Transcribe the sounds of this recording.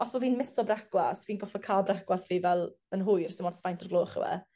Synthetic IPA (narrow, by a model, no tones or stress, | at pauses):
ɔsboviːnmɪsɔbraɡwasviːnɡɔfɔkʰaːlˠbraɡwasviːvɛlˠ | ənɦʊjrsəmɔndsfajntʰɔrɡloːχə̰wɛ̰